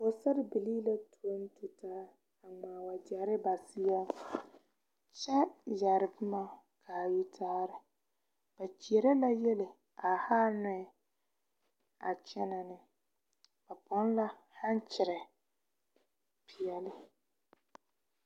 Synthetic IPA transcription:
ʊ˨sa˦ɾɪ˨bɪ˨liː˦la˦tʰu˨˦o˦n˦tu˨taː˦ | a˨ŋ͡maː˨wa˨dɪ˨a˨ɾɪ˦ba˨sɪ˦jɛ˦ | t͡ʃɛ˦ja˨ɾɪ˨bɪ˦ma˦˨ | kʰa˨ju˦tʰaː˦ɾɪ˨ | b̥a˨t͡ʃi˨e˨ɾɛ˦la˦jɛ˦lɪ˨ | a˨haː˦nʊ˦ɛ˦ | a̰˨t͡ʃɛ˦na˨nɪ˦ | b̥a˨bɔ˦n˦la˦ | ha˦nt͡ʃɪ˨ɾɛ˨ | pʰɪ˨jɛ˨lɪ˦

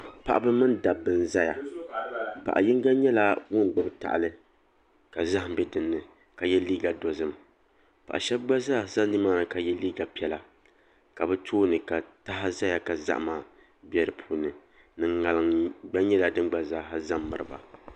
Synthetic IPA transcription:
pa̰˦ʔa˦bɨ˦mɨ˦nda˨bːɨ˨n˨za˦ja̰˨ | pa̰˨ʔa̰˨ji˦ŋ˦ɡa˦ɲɛ˦la˦wʊ˦ŋ˨ɡ͡bɨ˦bta̰˨ʔlɨ˦ | ka˨za˦hɪ˨m˨bɛ˦dɨ˨nːɨ˨ | ka˨jɛ˦liː˦ɡa˨do˨zɨ˦m | pa̰˨ʔa̰˨ʃɛ˦b̚ɡ͡ba˦zaː˦˨za˦ndɨ˦maː˦nɨ˨ka˨jɛ˦liː˦ɡa˨pi˨˦ɛ˦la˨ | ka˨bɛ˦tʰoː˦nɨ˨ka˨ta˦ɦa˦za˦ja˨ka˨za̰˦ʔmaː˨ | bɛ˦ɾɨ˨pʰuː˨nɨ˨ | nɨ˨ŋŋa˨lɨ˨ŋɡ͡ba˦ɲɛ˦la˨dɨ˦nɡ͡ba˨zaː˦ɦa˦za˦mː˨ɨ˨ɾɨ˨ba̰˨

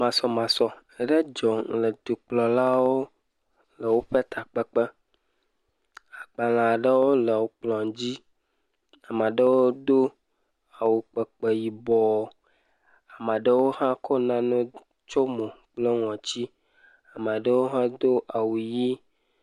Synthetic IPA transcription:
mã˨sɔ˦mã˨sɔ˨ | ə˦ɖə˦d͡ʒɔ˨lə˨d̪u˨k͡plɔ˨la˦wo˦ | lə˨wo˦ɸe˦t̪ʰa˨k͡pɛ˦k͡pə˦ | a˨k͡pa˨l̃ã˨ɖə˦wo˦lə˨wo˨k͡plɔ̃˨ŋd͡ʑi˦ | a˨ma˨ɖə˦wo˦d̪o˦ | a˨wu˨k͡pə˨k͡pə˨ji˨bɔ˨ | a˨mã˨ɖə˦wo˦ɦã˦kʰɔ˦nã˦nɛ̃˦ | t͡ʃo˦mõ˨k͡plə˦ŋɔ̃˨t͡ɕi˦ | a˨ma˨ɖə˦wo˦ɦã˦d̪o˦ʔa˨wu˨ji˦

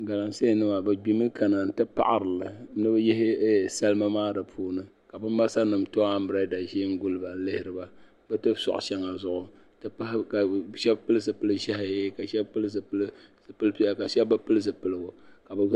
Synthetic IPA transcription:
ɡa˨la˨n˨se˦˨nɨ˦ma˨bɨ˨ɡ͡bi˦mɨ˦ka˨na˨n̩˨tɨ˦pa̰˦ʔa˨ɾɨ˨lɨ˨nɨ˦bɛ˦jɛ˦hɪ˦˨sa˦lɨ˦ma˦maː˦da˨pʰuː˦nɨ˦ | ka˨bɨ˦ma˦sa˦nɨ˨mto˦a˦m̩˦bɨ˨ɾa˦da˨ʒi˦ŋ̩˦ɡʊ˦lba˨˦lɨ˦hɪ˦ɾɨ˨ba˦ | bɛ˦tɨ˦bsɔ̰˨ʔʊ̰˨ʃɛ˦ŋa˨zʊ˦ʔʊ˨ | tɨ˦pa˦hka˨ʃɛ˦bpɨ˦lɨ˦zɨ˨pɨ˦lɨ˦ʒɛ˦hɪ˨jka˨ʃɛ˦bpɨ˦lɨ˦zɨ˨pl | pɨ˦lpi˦a˨ka˨ʃɛ˦bba˦pɨ˦lɨ˦zɨ˨pɨ˦lɨ˦˨ɡʊ˨ka˨bɨ˨˦

